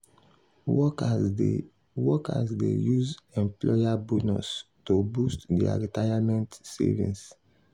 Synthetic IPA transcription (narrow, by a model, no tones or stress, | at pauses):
ɔ | wɔka̰sdḛjuzɛ̃mplɔjabonustobustdia̰ɹitajamɛ̃ntsɛ̰vḭ̃ns